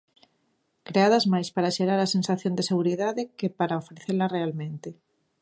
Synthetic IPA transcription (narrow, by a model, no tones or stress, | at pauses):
kɾeaðɐzmajspaɾaʃeɾaɾɐsensaθjõnd̪eseɣ̞uɾiðaðɪkɪpaɾaofɾeθelɐrealmẽnt̪ɪ